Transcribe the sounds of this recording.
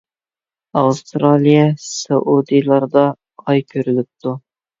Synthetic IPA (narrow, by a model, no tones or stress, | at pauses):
ɑwst̪ɾɑlˠijɛsɑʔud̪ɨjlˠɑɾd̪ɑ | ɑjkʲʰøɾylɪp̚t̪ʰu